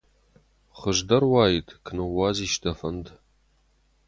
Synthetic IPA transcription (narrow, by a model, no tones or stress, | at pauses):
χəʒdɐrwaːjitʰkʰɨnɨwaːziːʃdʰɐfɐnd